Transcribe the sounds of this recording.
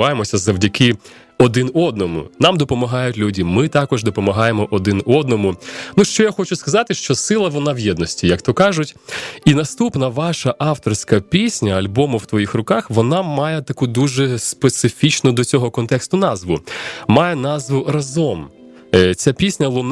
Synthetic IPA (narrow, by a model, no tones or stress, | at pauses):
ɑjemɔsʲɐzɐwdʲɐkɪ | ɔd̪ɪnɔd̪nɔmʊ̰nɑmd̪ɔpɔmɐɦɑjʊtʲlʲudʲimɪt̪ɑkɔʒd̪ɔpɔmɐɦɑjemɔʔɔd̪ɪnɔd̪nɔmʊnuʃt͡ʃɔjaxɔt͡ʃʊskɐzɑt̪ɪʃt͡ʃɔsɪlˠɐʋɔnɑwjɛd̪nɔsʲtʲijɐkt̪ɔkɑʒʊtʲinɐst̪upnɐʋɑʃɐʔɑwt̪ɔrsʲkɐpʲisʲnʲɐɐlʲbɔmʊwt̪ʋɔjixrʊkɑxʋɔnɑmɑjɛt̪ɐkud̪uʒɛspet̪sɪfʲit͡ʃnʊd̪ɔt͡sʲɔɦɔkɔnt̪ɛkst̪ʊnɑzʋʊmɑjɛnɑzʋʊrɐzɔm | t͡sʲapʲisʲnʲɐlˠʊn